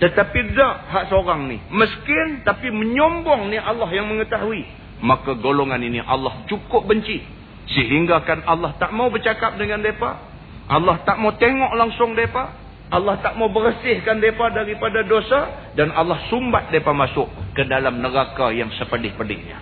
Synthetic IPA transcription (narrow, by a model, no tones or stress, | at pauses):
t̪ət̪apidaʔɦaʔsəoɾaŋniməskɪnt̪apiməɲɔmbɔŋnialːaɦjaŋməŋət̪aɦui | makaɡoloŋaniniʔa̰lːaht͡ʃukʊp̚bəɲt͡ʃi | səɦiŋɡaːkanalːaht̪aʔmawbərt͡ʃakap̚dəŋandepa̰ | ʔalːaht̪aʔmawt̪eŋɔʔlaŋsʊŋdepa | ʔːlːaht̪aʔmawbərsɪhkandepadaɾipadadosa | danalahsumbat̪̚depamasʊʔkədalamnəɾakajaŋsəpədɪhpədɪ̰hɲa̰